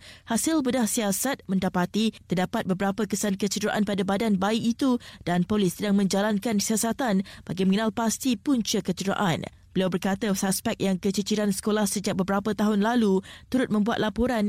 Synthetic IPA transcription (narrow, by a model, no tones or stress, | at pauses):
hasɪlbədahsiasat̪̚mə̃ndapat̪it̪ərdapat̪̚bəbəɾapəkəsankət͡ʃədɾaʔanpadabadanbaikit̪ud̥anpolɪsːədaŋmə̃ɲd͡ʒalankansiasat̪anb̥aɡimə̃ŋənalpast̪ipuɲt͡ʃəkət͡ʃəɾa̰ʔa̰n | b̥əliawbərkat̪əsaspɛk̚jaŋkət͡ʃət͡ʃiɾansə̥kolahsəd͡ʒak̚bəbəɾapət̪aɦʊnlalut̪uɾʊt̪̚mə̃mbuat̪̚lapoɾan